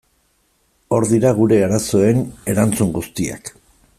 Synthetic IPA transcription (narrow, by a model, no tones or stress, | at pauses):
o̞ɾðiɾaɣ̞uɾe̞aɾaso̞e̞ne̞ɾant͡suŋɡust̪ia̰k